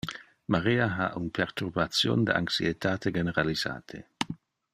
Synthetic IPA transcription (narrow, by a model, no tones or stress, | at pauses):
maɾiːaɦa̰ʔunpʰeɾt̪urbat̪sjo̰nd̪ə̰a̰ŋksiet̪aːt̪eɡeneɾaliza̰ːt̪ʰḛ